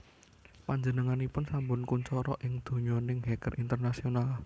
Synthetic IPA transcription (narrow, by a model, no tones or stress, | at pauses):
paɲd͡ʒənəŋanipʊnsambʊnkunt͡ʃɔɾɔ̰ʔɪŋd̪̥ṳɲɔnɪŋɦɛkərʔint̪ərnasional